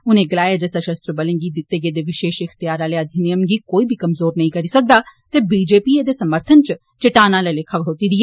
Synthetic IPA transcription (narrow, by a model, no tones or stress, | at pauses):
ʊnẽːɡəlaːjaːd͡ʒəsəʃəst̪ɾəbələ̃ŋɡiːd̪ɪt̪ːeːɡeːd̪eːʋɪʃeːʃɪxʰt̪ɪjaːɾaːleːəd̪ʱiːnijəmɡiːkoːiːbʱiːkəmzoːɾnɐɦĩːkəɾiːsək̚d̪aːt̪eːbiːd͡ʒeːpiːeːd̪eːsəməɾt̪ʰənt͡ʃ | t͡ʃɪʈaːnãːləleːkʰəkɽ̤oːt̪iːd̪iɛː